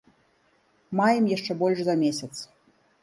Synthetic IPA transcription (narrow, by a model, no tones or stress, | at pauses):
majɛmjaʂt͡ʂɛbɔlʲʂzɐmʲesʲɐt̪s